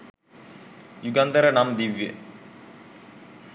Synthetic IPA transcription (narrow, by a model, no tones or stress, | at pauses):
juɡɐnd̪ɐɾənamd̪iʋjə̰